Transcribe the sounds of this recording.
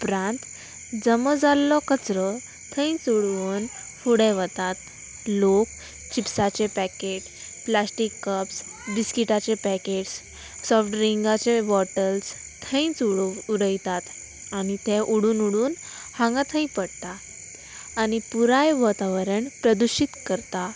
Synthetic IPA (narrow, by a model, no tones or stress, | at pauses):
upɾãnt̪ | d͡zəməd͡zalːɔkət͡sɾɔ | t̪ʰə̃ĩt͡suɽʋən | fuɽẽʋət̪at̪ | lok | t͡ɕipsat͡ɕepækeʈ | plasʈikːəpsbiskiʈat͡ɕepækeʈs | sɔfʈɾiŋɡat͡ɕeʋɔʈəls | t̪ʰə̃ĩt͡suɽuɽəjt̪at̪ | añit̪ɛʔuɽuːnuɽuːn | hãŋɡat̪ʰə̃ĩpəɽt̪aː | ñipuɾajʋɔt̪aʋəɾəɳpɾəd̪uɕit̪kəɾt̪a